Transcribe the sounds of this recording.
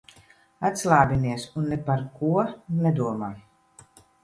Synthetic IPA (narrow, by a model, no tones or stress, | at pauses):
at̪ʲslˠaːbiniɛsunːɛpaɾkuɔnɛd̪uɔmaː